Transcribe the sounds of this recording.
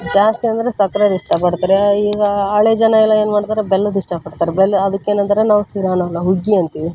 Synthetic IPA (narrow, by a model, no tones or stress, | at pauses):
d͡ʒaːst̪iɐnd̪ɐɾesɐkɾɐd̪iʂʈɐpɐɽt̪aːɾeiːɡɐaːɭed͡ʒɐnɐilːɐeːnumaːɽt̪aːɾebelːud̪iʂʈɐpɐɽt̪aːɾebelːɐd̪ɐkːe̞ːnɐnd̪ɐɾenaːʋusiɾaːnɐlːɐɦuɡːiɐnt̪iʋi